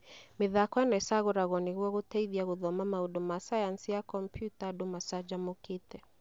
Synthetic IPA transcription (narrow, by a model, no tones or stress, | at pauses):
miðakɔɛnaɛsaɣuɾaɣɔniɣuaɣutɛiðiaɣuðɔmamauɗumasajansijakɔmpʰjutaɗumasad͡ʒamukitɛ